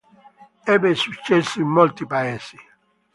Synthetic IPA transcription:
ebesut͡ʃesimɔltipajasi̥

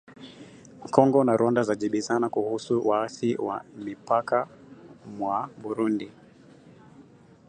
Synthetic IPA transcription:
kɔŋɡɔnaɾɔndazaʄiɓizanakuhusuwaaθiwa̰mipaka | mwaɓuɾundi

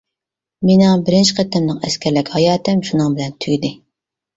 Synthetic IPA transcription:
menŋbɪɾɪnt͡ʃɪqʰæt̪ʰːɛmnɨŋɛskʲʰɛɾlɪkʲhɑjɑːt̪ɨmʃunɨŋbɪlɛnt̪ʰyɡʲd̪ɪ

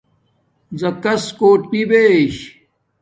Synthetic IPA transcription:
zɐkɐskoːʈ̚pibeɕ

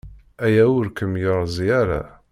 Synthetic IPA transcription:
æjæʊɾkəmjəɾˤzˤiaɾa̰

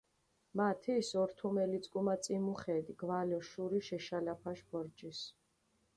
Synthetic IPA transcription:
mat̪ʰiːsɔɾt̪ʰumɛlit̪sʼkʼumat̪sʼimuχɛːd̪iɡvalɔʃuɾiʃɛʃalapʰaʃbɔɾd͡ʒis

